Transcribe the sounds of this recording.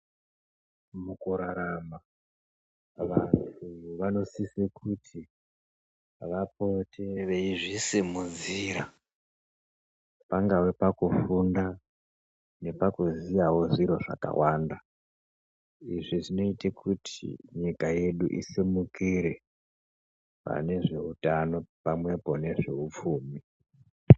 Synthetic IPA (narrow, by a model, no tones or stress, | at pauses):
mukuɾaɾama | ʋantʰujoʋano̞sisekʰutʰi | ʋapotʰe̞ʋeiʐisimud͡ziːɾa | paŋɡawepakufunda | ne̞pakuzijawo̞ʐiɾo̞ʐa̰ka̰wʔaːnda | iʐiʐino̞itekʰutʰḭɲikaje̞ɗuʔḭsimukiɾe̞ | pa̰ne̞ʐe̞utano̞pamwe̞po̞ne̞ʐe̞up͡fuːmi